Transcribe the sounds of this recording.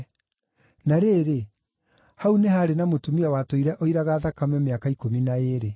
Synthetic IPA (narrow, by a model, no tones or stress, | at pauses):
naɾeːɾe | haunehaːɾenamotumiawatoiɾɛʔoiɾaɣaðakamɛmeakaikominaeɾe